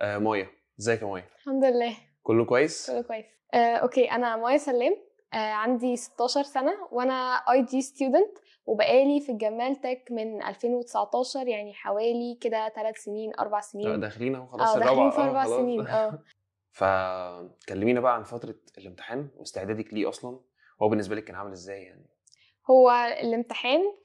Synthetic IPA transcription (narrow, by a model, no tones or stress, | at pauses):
ʔæːmɑːjæ | ezæːjkæmɑːjælħamd̪elːæː | kolːokowæjːeskolːokowæjːesʔæːʔo̰keːʔænæmɑːjæsælːæːm | ʔæːʕand̪ise̥t̪ːɑːʃɑɾˤsænæwʔænæʔɑjd̪iːst̪juːd̪ænt̪ | webæʔæːlifiɡæmːælt̪ækmenʔæ̰lfeːnwet̪e̥saʕt̪ˤɑːʃɑɾˤjaʕniħawæːliked̪æt̪ælæt̪seniːnʔɑ̰ɾˤbaʕseniːnd̪æxeliːnhowæxɑlʔæːxɑliːnfiʔɑɾˤbaʕseniːnʔʔæː | fæ̰t̪kælːemiːnæbæʔæʕanfæt̪ɾˤɑ | elemt̪e̥ħæːnwḛst̪eʕd̪æːd̪ækliːʔɑ̰sˤlɑn | howːæbenːesbælikːæːnʕamelezːæːjːa̰ʕni | howːæḛlʔemt̪eħæːn